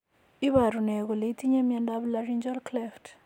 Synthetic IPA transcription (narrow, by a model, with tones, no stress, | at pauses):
i˦βa˨ɾu˨nɛ˨kɔ˨le˨i˦ti˦ɲa˦mja˦ndaβlari˦nd͡ʒɔ˦lklɛft